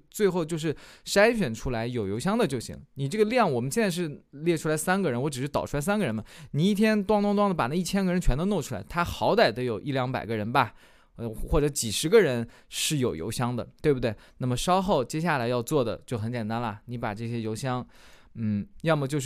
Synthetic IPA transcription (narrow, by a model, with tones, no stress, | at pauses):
t͡swe˥˧ɪxo˥˧ʊt͡ɕjo˥˧ʊʂɻ̩˥˩ʂa˥ɪɕɥɛ˨˩nʈ͡ʂʰu˥la˧˥ɪjo˨˩ʊjo˧˥ʊɕ̬jɑ˥ŋd̪ə˨t͡ɕjo˥˩ʊɕḭ˧˥ŋni˨˩ʈ͡ʂɤ˥˩ɡə˩ljɑ˥˩ŋwɔ˨˩m˦nɕɛ˥˧nt͡sa˥˧ʂɻ̩˥˧ljɛ˥˩ʈ͡ʂʰu˥la˧˥ɪsa˥nɡə˨ɻə˧˥nwɔ˧˥ʈ͡ʂɻ̩˨˩ʂɻ̩˥t̪ɑ˨ʊʈ͡ʂʰu˥la˧˥s̬a˥nɡə˨ɻə˧˥nbɐ˧ni˨˧˩i˥˩t̪ʰjɛ˥nt̪wɑ˥ŋt̪wɑ˥ŋt̪wɑ˥ŋd̪ə˨˩pa˨˩na˥˩i˥˩t͡ɕʰjɛ˥nɡə˨ɻə˧˥nt͡ɕʰɥɛ˧˥nd̪ə˧no˥˩ʊʈ͡ʂʰu˥la˧˥ɪt̪ʰa˥xɑ˧˥ʊt̪a˨˩ɪt̪ə˧˥jo˨˩ʊʔi˥˩ljɑ˧˥ŋpa̰˨˩ɪɡə˦ɻə˧˥nbɐ˨˧ | xwɔ˥˩ʈ͡ʂɤ˧˥t͡ɕi˨˩ʂɻ̩˧˥ɡə˧ɻə˧˥nʂɻ̩˥˩jo˨˩ʊjo̰˧˥ʊɕjɑ˥ŋd̪ə̰˨t̪we˥˩ɪbu˩d̪we˥˩ɪna˥˩mə˩ʂɑ˥ʊxo˥˩ʊt͡ɕjɛ˥ɕ̬ja˥˩la˧˥ɪjɑ˥˧ʊt͡swɔ˥˩d̪ə̰˩t͡ɕjo˥ʊxə˧˥nt͡ɕjɛ˨˩nt̪a˥nlə˨˩ni˧˥pa̰˨˩ʈ͡ʂɤ˥˩ɕ̬jɛ˥jo˧˥ʊɕjɑ˥ŋ | n̩˥˩jɑ˥˩˧mə˨˩t͡ɕjo˥˧ʊʂ